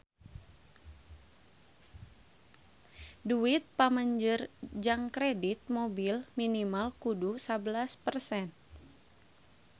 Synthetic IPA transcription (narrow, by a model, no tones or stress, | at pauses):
duit̪̚paməɲd͡ʒərd͡ʒaŋkɾɛdit̪̚mobilminimalkudusabəlaspərsɛn